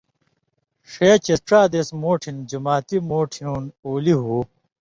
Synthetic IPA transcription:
ʂeːt͡ɕesʈɾaːd̪esmoːʈʰind͡ʑumaːt̪imoːʈʰinuːnoːliɦuː

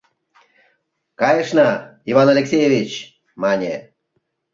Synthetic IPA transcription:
kɑjəʂnɑivanalʲeksʲejevʲit͡ɕ | manʲe

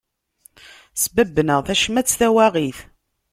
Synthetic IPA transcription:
sbəbːnəʁθæʃmæt͡sːθæwæʁiθ

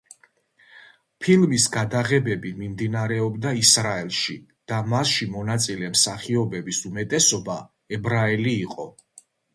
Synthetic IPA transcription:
pʰilˠmisɡad̪aʁɛbɛbimimd̪inaɾɛɔbd̪aisɾaɛlˠʃi | d̪̥amasʃimɔnat̪sʼilɛmsaχiɔbɛbisumɛt̪ʼɛsɔba | ɛbɾaɛliːqʼɔ

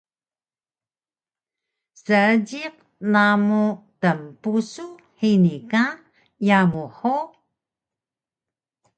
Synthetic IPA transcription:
səəd͡ʑiq̚ | namutəmpusu | ħinika | jamuħu

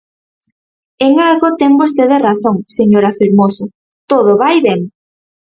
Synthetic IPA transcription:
eŋalɣot̪ɛŋbost̪eðeraθoŋseɲoɾafiɾmosʊ | t̪oð̞ʊβajβeŋ

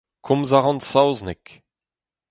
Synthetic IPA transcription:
kʰɔ̃mzaʁɑ̃nsawznek

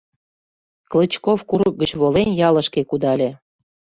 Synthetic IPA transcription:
klət͡ɕkofkuɾək̚ɡət͡ɕβolenjɑlə̆ʃkekud̪ɑlʲĕ

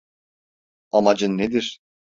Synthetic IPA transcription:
amad͡ʒɯnːed̪iɾ̥

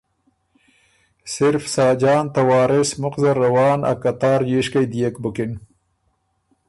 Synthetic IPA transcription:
sɪɾfsɑːd͡ʒɑːnt̪ɐwɑːɾɪsmʊqzɐɾːawɑːna̰kat̪ɑːɾjiʃkajd̪ijekbʊkɪn

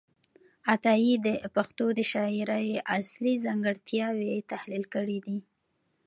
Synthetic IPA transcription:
at̪ɑjid̪əpaxt̪od̪əʃɑɪɾajʔaslizaŋɡəɽt̪jɑwet̪ahlilkəɽid̪i

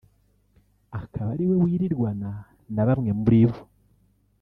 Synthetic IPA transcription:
akʰaβaɾiwe̞wiːɾiɾɡwana | naβamŋe̞muβɾivo̥

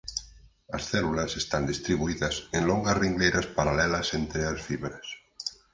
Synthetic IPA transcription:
asθɛlulasest̪and̪ist̪ɾiβuiðasenloŋɡazriŋɡlejɾaspaɾalɛlasent̪ɾeasfiβɾas

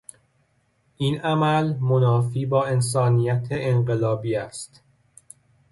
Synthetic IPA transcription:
ʔinæmælmonɒːfiːbɒːe̞ns̬ɒːniːjæt̪ʰeenɢe̞lɒːbiːæst̪

